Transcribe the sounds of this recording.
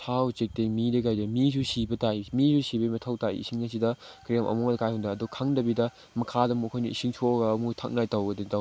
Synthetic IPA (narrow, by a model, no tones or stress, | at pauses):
tʰawt͡ʃek̚teŋmidɐɡajdɐmis̬usibɐtaimisusibɐimɐtʰɐwtaḭḭsiŋnɐs̬idɐkɾijamʔɐ̰muŋdɐkajhundɐːdukʰaŋdɐbidɐ | mɐkʰadɐmuɐkʰojniisiŋt͡ʃʰoɡɐːmutʰak̚najtawɡɐditaw